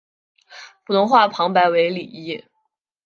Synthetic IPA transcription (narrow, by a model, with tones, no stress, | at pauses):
pʰu˨˩t̪ʊ˧˥ŋxwa˥˩pʰɑ˧˥ŋpa˧˥ɪwe˧˥ɪli˨˩i˥˩